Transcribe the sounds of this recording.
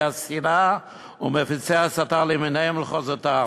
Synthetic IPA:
asiɾa | umefit͡seasatalimɪneɛmləχɔzəta

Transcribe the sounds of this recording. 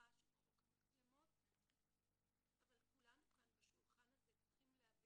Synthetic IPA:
aʃuaʁokmukdemot̪ | ʔavalkulanukanbaʃulχanazetχimleavi

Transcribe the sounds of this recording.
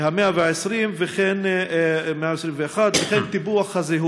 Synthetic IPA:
hameavɛaɪsɾimvɪχɛn | meaɛsɾimvəaχad̪vɪχɛnt̪ibuaχhazeɦu

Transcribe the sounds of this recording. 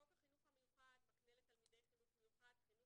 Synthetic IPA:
okaχinuχhamejuχad̪maknelet̪almid̪ejχinutmejuχad̪χinu

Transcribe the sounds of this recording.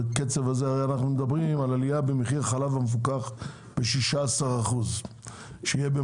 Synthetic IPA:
ket͡sevazeaʁeanaχnumed̪abʁimalalijabemeχiʁχalavamef̬ukaχ | b̥eʃiʃaasaʁaχuz | ʃejebe

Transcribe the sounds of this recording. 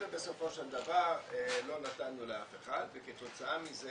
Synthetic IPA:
ebeso̞fo̞ʃeld̪avaʁlo̞nat̪anːuleafeχad̪veket̪o̞t͡saamize

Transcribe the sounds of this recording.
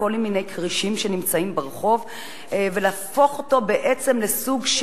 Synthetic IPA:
o̞lminejkʁiʃimʃe̞nimt͡saimbeʁχo̞v | veleafo̞χoto̞be̞ʔe̞t͡se̞mle̞suɡʃ

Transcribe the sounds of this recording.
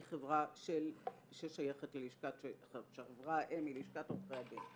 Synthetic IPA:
χevʁaʃel | ʃeʃajaχetleiʃkateʃeavʁaʔemiliʃkatoχʁejadin

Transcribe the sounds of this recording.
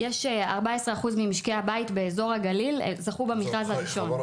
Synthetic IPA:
jeʃa̰ʁbaesʁeaχuzmimiʃkehabaitbe̞ːzo̞ʁhaɡalilzaχubamiχʁazhaʁiʃo̞n

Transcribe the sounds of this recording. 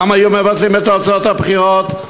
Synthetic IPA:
majumevat̪limet̪ot͡saot̪abχiʁot̪

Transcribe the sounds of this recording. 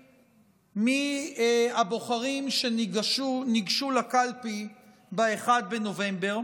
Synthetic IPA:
mi | abo̞χaʁimʃeʃuniɡʃulakalpi | baeχad̪̚beno̞ve̞mbe̞ʁ

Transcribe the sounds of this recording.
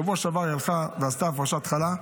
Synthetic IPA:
avuaʃavajalχaveast̪afʁaʃat̪χala

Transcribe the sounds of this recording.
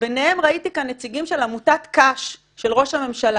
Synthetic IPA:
beneemʁait̪ikanːet͡siɡimʃe̞lamutat̪kaʃː | e̞lʁo̞ʃhame̞mʃala

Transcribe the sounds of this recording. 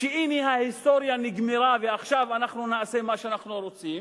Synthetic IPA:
ʃeʔiniɦahist̪oɾjaniɡmeɾaveaχʃavanaχnunaase̞maʃeanaχnuɾot͡sim

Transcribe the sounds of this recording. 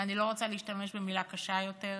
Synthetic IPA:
anilo̞ʁot͡saliːʃtame̞ʃbemilakaʃajo̞te

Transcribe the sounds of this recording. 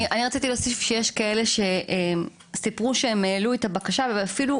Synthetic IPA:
ʔaniʁat͡sit̪ilosifʃejeʃkae̞le̞ʃe̞ʔem | sipʁuʃeemeːluet̪abakaʃaveafilu

